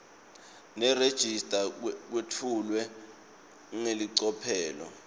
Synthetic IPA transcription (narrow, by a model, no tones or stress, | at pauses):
nɛred̥ʒ̥ʱistʼak̬wetʰulwɛ | uŋeliǀɔpʰɛːlɔ̰